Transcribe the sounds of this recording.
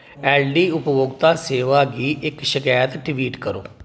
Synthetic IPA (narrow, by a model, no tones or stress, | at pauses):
ɛːlɖiːʊpʋʊɡt̪aːseːʋaːɡiːʔɪkʃɪkaːjət̪ɖɪʋiːʈkəɾo̰ː